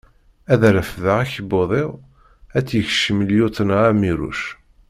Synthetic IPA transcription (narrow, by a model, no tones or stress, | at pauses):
æðɾəfðəʁæçəboðˤeʁ | æt͡sːjəçʃəmljut̪ˤənæmiɾṵʃ